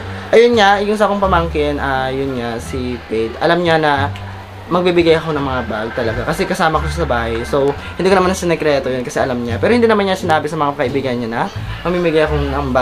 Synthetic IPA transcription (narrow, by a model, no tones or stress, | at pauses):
ʔɐjonɲajʊŋsɐkoŋpɐmaŋkɪnʔaːjʊnɲasip̪ejt̪ʔɐ̰lamɲanɐ | mɐɡ̚bibɪɡajɐko̞nɐŋmɐŋabaɡ̚t̪ɐlɐɡakɐsɛkɐsaːmɐkoʃasɐbaːhɐjso̞whɪnd̪iːkonɐmanɐsɐnɛkɾɛːt̪o̞jo̞nkɐsɛʔɐlamɲapɛːɾoɪnd̪inɐmanɲasɪnaːbɪsɐmɐŋakɐʔɪbiːɡɐjnɲanɐmɐɡmiːmɪɡajɐko̞nɐŋba